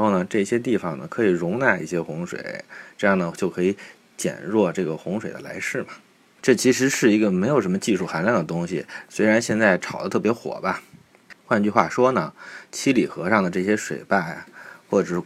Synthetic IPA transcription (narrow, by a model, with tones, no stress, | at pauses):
nxo˥˩ʊnə˩ʈ͡ʂɤ˥˩ɕjɛ˥t̪̬i˥˩fɑ˨˩ŋnə̰˩kʰɤ˧˥i˨˩ɻʊ˧˥ŋna˥˧i˥˩ɕjɛ˥xʊ˧˥ŋʂwḛ˨˩ɪʈ͡ʂɤ˥˧jɑ˥˩ŋd̪ə˩t͡ɕjʊkʰɤ˧˥i˨˧˥ | t͡ɕjɛ̰˨˩nɻwɔ˥˧ʈ͡ʂɤ˥˩ɡə˩xʊ˧˥ŋʂwe˨˩ɪd̪ə̰˦la̰˧˥ɪʂɻ̩˥˩bɐ˩ | ʈ͡ʂɤ˥˩t͡ɕʰi˧˥ʂɻ̩˧˥ʂɻ̩˥˩i˧˥ɡə˧me˧˥ɪjo˨˩ʊʂə˧˥mə˧t͡ɕi˥˧ʂu˥˩xa˧˥nlja˥˩ŋd̪ə˩t̪ʊ˥ŋɕḭ˨˩swe˥ɪɻa˧˥nɕjɛ˥˧nt͡sa˥˩ɪʈ͡ʂʰɑ˨˩ʊd̪ə˦t̪ʰɤ˥˩pjɛ˧˥xwɔ̰˨˩bɐ˦ | xwa˥˧nt͡ɕy˥˧xwa̰˥˩ʂwɔ˥nə˨˩t͡ɕʰi˥li˨˩xɤ˧˥ʂɑ˥˩ŋd̪ə˩ʈ͡ʂɤ˥˩ɕjɛ˥ʂwe˨˩ɪpa˥˩xwɔ˥˩ʈ͡ʂɤ˨˩˥